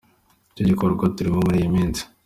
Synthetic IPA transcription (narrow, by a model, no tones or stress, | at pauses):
coɟikoɾɡatuɾiβomuɾiːjimiːnzi̥